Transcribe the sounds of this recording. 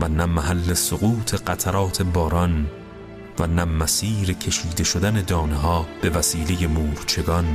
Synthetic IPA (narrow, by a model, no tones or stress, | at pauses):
vænæmæɦælːe̞soɣuːt̪ʰe̞ɢæt̪ʰæɾɒːt̪ʰe̞bɒːɾɒn | vænæmæsiːɾecʰe̞ʃiːd̪e̞ʃod̪æne̞d̪ɒːneɦɒːb̥e̞væsiːle̞je̞muːɾt͡ʃʰe̞ɡɒn